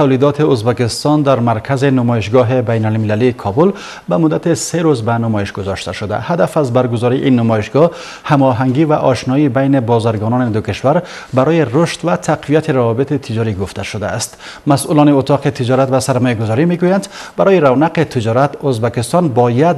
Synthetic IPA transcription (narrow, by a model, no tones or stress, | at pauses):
t̪ʰawlid̪ɔt̪ʰiuzbakist̪ɔnd̪aɾmaɾkʰazinʊmɔiʃɡɔɦibajnalmilaliːkʰɔbul | bamʊd̪ːat̪iseɾuzbanʊmɔiʃɡʊzɔʃt̪a̰ʃud̪a̰had̪afazbaɾɡʊzɔɾḭʔinːʊmɔiʃɡɔ | hamɔɦaŋɡivaʔɔʃnɔibajnibɔzaɾɡɔnɔnid̪ukiʃvaɾ | baɾɔjiruʃt̪vat̪ʰaqʰvijat̪ʰiɾavɔbit̪it̪ʰid͡ʒɔɾiɡʊft̪ʰaʃʊd̪aːst̪ | masʔulɔniʊt̪ʰɔqit̪ʰid͡ʒɔɾat̪vasaɾmɔjaɡʊzɔɾimeɡujand̪baɾɔjiɾavnaqit̪ʰid͡ʒɔɾat̪ozbakist̪ɔnbɔjad̪